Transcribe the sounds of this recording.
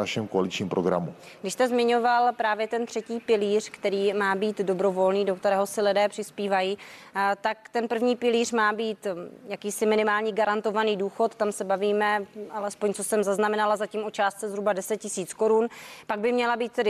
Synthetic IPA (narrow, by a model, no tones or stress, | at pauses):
aʃɛmkoalɪt͡ʃɲiːmpɾoɡɾa̰mu | ɡdɪʃst̪ɛzmɪɲo̞valpɾaːvjɛt̪ɛnt̪r̝̥ɛciːpɪliːr̥kt̪ɛɾiːmaːbiːt̪do̞bɾo̞vo̞lniːdo̞kt̪ɛɾɛːɦo̞sɪlɪdɛːpr̝̥ɪspiːvajiːt̪akt̪ɛnpr̩vɲiːpɪliːrmaːbiːt̪jakiːsɪmɪnɪmaːlɲiːɡaɾant̪o̞vaniːduːxo̞t̪t̪ːamsɛbaviːmɛʔalɛspo̞ɲt͡so̞sɛmzaznamɛnalazaciːmʔot͡ʃaːst̪t͡sɛzɦɾubadɛsɛt̪̚cɪsiːt͡sko̞ɾunpaɡ̚bɪmɲɛlabiːt̪̚t̪ɛdɪ